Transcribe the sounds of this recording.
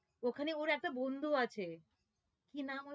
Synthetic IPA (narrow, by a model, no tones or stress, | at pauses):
okʰaneoɾɛk̚ʈabond̪ʱuat͡ɕʰe | kinamo